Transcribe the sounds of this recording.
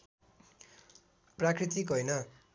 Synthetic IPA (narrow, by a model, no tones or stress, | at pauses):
prakrit̪ikɦojnʌ